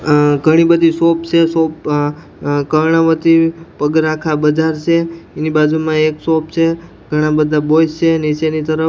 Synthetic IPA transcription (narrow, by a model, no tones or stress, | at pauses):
ɡʱəɽ̃ibəd̪ʱisopt͡ʃʰesop̚ | kəɾɳaʋət̪ipəɡɾakʰabəd͡ʒaɾt͡ʃʰeːnibad͡ʒumãeksopt͡ʃʰe | ɡʱəɽ̃ãbəd̪ʱabojst͡ʃʰenit͡ʃenit̪əɾə